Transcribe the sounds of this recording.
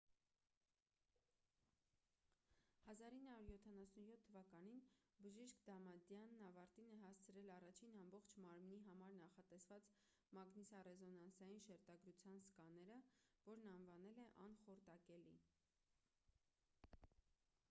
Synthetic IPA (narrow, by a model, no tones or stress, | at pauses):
hɑzɑɾinːhɑuɾjɔt̪ʰɑnɑsunjɔt̪ʰːəvɑkɑninbəʒiʃkd̪ɑmɑd̪jɑnːɑvɑɾt̪inəɦɑst͡sʰəɾɛlɑrɑt͡ʃʰinɑmbɔχt͡ʃʰmɑɾmniɦɑmɑɾnɑχɑt̪ɛsvɑt͡s | mɑɡnisɑrɛzɔnɑnsɑjinʃɛɾt̪ɑɡɾut͡sʰjɑnskɑnɛɾəvɔɾnɑnvɑnɛlɛʔɑnχɔɾt̪ɑkɛli